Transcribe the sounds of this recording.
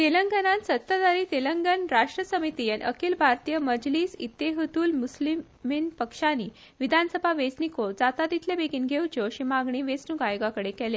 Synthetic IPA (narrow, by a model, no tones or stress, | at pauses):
t̪eləŋɡənãnsət̪ːad̪aɾiːt̪eləŋɡənɾaʂʈɾəsəmit̪ijenʔə̰kilbʱaɾt̪ijəməd͡zliːsḭt̪ːeɦət̪uːlmusli | minpəkʂaniː | ʋid̪ʱansəbʱaʋed͡znikod͡zat̪ad̪it̪ʰlebeɡiːnɡʱewt͡ɕoɕimaɡɳiːʋesnuɡajɡakəɽekɛle